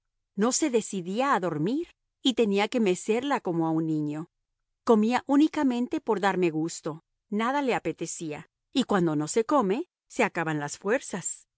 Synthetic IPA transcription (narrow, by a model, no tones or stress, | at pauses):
no̞se̞ðe̞siðiaːðo̞ɾmiɾ | it̪e̞niake̞me̞se̞ɾlako̞mo̞aunːĩɲo̞ | ko̞miaʔunikamẽ̞nt̪e̞po̞ɾðaɾme̞ɣust̪o̞ | naðale̞ape̞t̪e̞sia | ikwand̪o̞no̞se̞ko̞me̞ | se̞akaβanlasfwe̞ɾsas